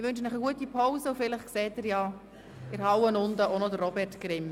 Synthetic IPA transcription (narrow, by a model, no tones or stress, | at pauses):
ɪʋʏnʃənəχəɡuətipʰoʊsəufɪlɪχkseːtɪɾjɑ | ɪɾhɑwənʊnd̪əʔonɔdərːɔbɛtɡɾɪm